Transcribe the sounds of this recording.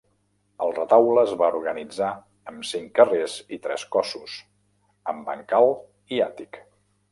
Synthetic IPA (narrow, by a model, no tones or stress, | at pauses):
əlˠrət̪awləːzβauɾɣənid͡za | əmsiŋkərezit̪ɾɛ̰skɔsus | əmbə̰ŋkalˠ | iat̪ik